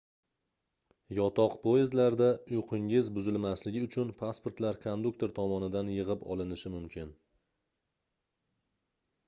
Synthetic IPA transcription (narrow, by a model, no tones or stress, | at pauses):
jɒt̪ʰɒqpʰoezlaɾd̪aʊjqʰɨŋɪzbʊzɪlmaslɪɡʲɪʊt͡ʃʰʊnpʰaspoɾt̪laɾkʰond̪ukt̪ʰe̞ɾt̪ʰɒmɒnɪd̪anjɨʁɨpɒ̰lɪnɪʃɪmʊmkʲʰɪn